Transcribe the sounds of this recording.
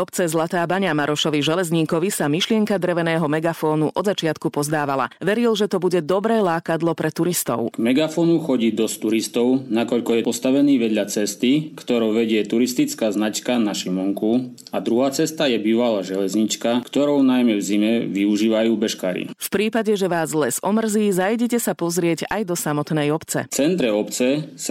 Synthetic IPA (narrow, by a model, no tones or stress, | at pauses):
ɔpt͡sɛzlat̪aːbaɲamaɾʔɔʃɔʋiʒɛlɛzɲiːkɔʋisamiʃlɪɛŋkad̪ɾɛʋɛnɛːɦɔmɛɡafɔːnuʔʔɔd̪zat͡ʃɪat̪kupɔzd̪aːʋala̰ʋɛɾilʒɛt̪ɔbuɟɛd̪ɔbɾɛːlaːkad̪lɔpɾʔɛt̪uɾist̪ɔ̰ʊɡ̥mɛɡafɔnuxɔɟiːd̪ɔst̪uɾist̪ɔʊnakɔʎkɔjɛpɔst̪aʋɛniːʋɛd̪ʎat͡sɛst̪ikt̪ɔɾɔwʋɛɟɪɛt̪uɾist̪it͡skaːznat͡ʃkanaʃimɔŋku | ad̪ɾuɦaːt͡sɛst̪ajɛbiːʋalaːʒɛlɛzɲit͡ʃkakt̪ɔɾɔʊnajmɛvzimɛʋiuʒiːʋajuːbɛʃka̰ːɾḭfpɾiːpaɟɛʒɛʋaːzlɛzɔmr̩ziːzajɟɛcɛsapɔzɾɪɛɟa̰jd̪ɔsamɔt̪nɛjɔpt͡sɛ̰t͡sɛnt̪ɾɛɔpt͡sɛs